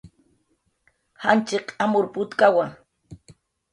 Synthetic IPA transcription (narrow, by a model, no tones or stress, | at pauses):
hant͡ʃɪqamʊɾpʊt̪kawaŋ